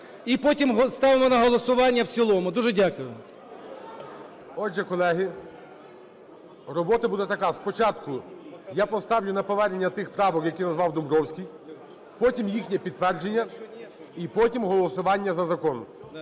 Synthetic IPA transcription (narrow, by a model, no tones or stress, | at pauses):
ipɔtʲimɦst̪ɑʋemɔnɐɦɔlˠɔsʊʋɑnʲːɐwsʲilˠɔmʊd̪uʒɛdʲakʊjʊ | ɔd͡ʒɛkɔlˠɛɦɪ | rɔbɔt̪ɐbud̪ɛt̪ɐkɑspɔt͡ʃɑt̪kʊjapɔst̪ɑwlʲʊnɐpɔʋɛɾenʲːɐt̪ɪxpɾɑʋɔkjɐkʲinɐzʋɑwd̪ʊmɾɔwsʲkʲij | pɔtʲimjixnʲɛpʲid̪t̪ːʋɛrd͡ʒenʲːɐ | ipɔtʲimɦɔlˠɔsʊʋɑnʲːɐzɐzɐkɔnʊ